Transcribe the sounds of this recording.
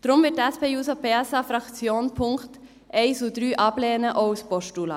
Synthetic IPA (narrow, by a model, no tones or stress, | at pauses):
d̥ɾʊmvɪtɛspeːjuːsopeːɛsɑfɾɑkt͡sjoːnpʰʊŋkt | ʔɛɪsudɾyːʔɑblɛːnəʔoʊspɔʃtulɑ̰